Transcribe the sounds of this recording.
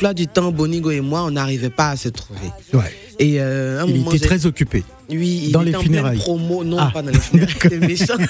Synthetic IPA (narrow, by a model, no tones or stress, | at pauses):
plwad̪yt̪ɑ̃boniɡoemwaɔ̃naʁivɛpaːsət̪χuvḛwɛ | eøɛ̃milem̃t̪ɛtʒχɛzɔkʲype | wiild̪ɑ̃ẽlet̪ɑ̃fyneʁajpχomonɔ̃pad̪ɑ̃lefyd̪aajkɔd̪emeʃɑ̃